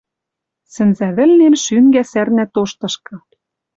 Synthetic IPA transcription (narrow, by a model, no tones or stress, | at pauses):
sɘ̆nzæβɘ̆lnemʃyŋɡæsærnæt̪oʃt̪ɤ̆ʃkɤ̆